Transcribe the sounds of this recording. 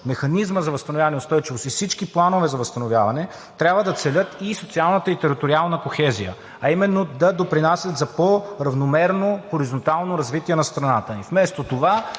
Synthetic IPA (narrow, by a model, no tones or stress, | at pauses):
mɛxɐnizməzɐvɐst̪ɐnovʲjavɐnɛʊst̪ɔjt͡ʃivosifsit͡ʃkiplˠanovɛzɐvɐst̪ɐnovʲjavɐnɛ | t̪ɾʲjabvəd̪ɐt̪sɛlʲət̪isot̪sialˠnət̪əit̪ɛɾit̪oɾialˠnəkoxɛzijə̰ | ɐimɛnːod̪ɐd̪opɾinasʲət̪zɐpoɾɐvnomɛɾnoxoɾizont̪alˠnoɾɐzvit̪iɛnɐst̪ɾɐnat̪əifmɛst̪ot̪ova